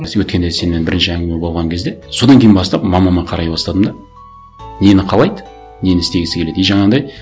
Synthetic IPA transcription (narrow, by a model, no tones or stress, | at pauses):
wɵt̪kʲe̞nd̪ese̞nːe̞nbɪɾɪnʃɪæŋʲɡʲɪmebo̞lˠʁɑŋkʲʰe̞zd̪e̞so̞d̪ɑŋkʲe̞jɪnbɑst̪ɑpmɑmɑmɑqʰɑɾɑjbɑst̪ɑd̪əmd̪ɑ | ne̞nɪqʰɑlˠɑjd̪ə | ne̞nɪst̪e̞ɡʲɪsɪkʲe̞leejʒɑɴɑd̪ɑj